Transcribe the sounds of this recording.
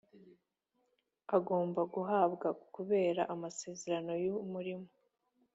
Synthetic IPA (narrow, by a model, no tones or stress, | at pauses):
aɡo̞ːmbaɡuɦaːbɡakuβe̞ːɾaʔamase̞ːze̞ɾano̞jumuɾimo̥